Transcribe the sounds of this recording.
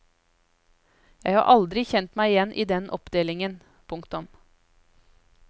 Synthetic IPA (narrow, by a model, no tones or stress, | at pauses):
jæɪhɑ̰ːɾʔɑld̪ɾɪçɛnt̪mæɪɪjɛnʔiːd̪ɛnʔɔpd̪eːlɪŋən | pʰʊŋkt̪ʊm